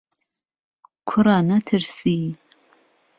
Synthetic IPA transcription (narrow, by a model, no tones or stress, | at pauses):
kʷʰʊɾaːnɐtʰɨrsiː